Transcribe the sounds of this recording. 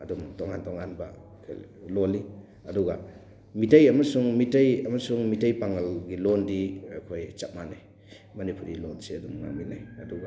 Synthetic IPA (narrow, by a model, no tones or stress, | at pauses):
ɐdumtɔŋantɔŋanbɐ | loli | ɐduɡa | mitajɐmɐsuŋmitajɐmɐsuŋmitajpaŋalɡilondiakʰojt͡ʃap̚manaj | mɐnipuɾilonseɐdumŋa̰ŋminajɐduɡa